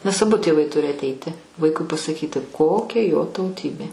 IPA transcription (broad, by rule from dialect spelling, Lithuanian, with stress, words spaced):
nʲɛs ɐˈbʊ tʲeːˈʋɐɪ ˈtʊrʲɪ ɐtʲˈɛɪtʲɪ ˈʋɐɪkʊɪ pɐsɐˈkʲiːtʲɪ ˈkoːkʲɛ joː tɐʊˈtʲiːbʲeː